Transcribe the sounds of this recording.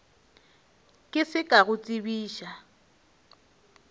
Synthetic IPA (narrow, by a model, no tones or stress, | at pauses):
kʼɪsɪkʼaɣʊt͡sʼibiːʃa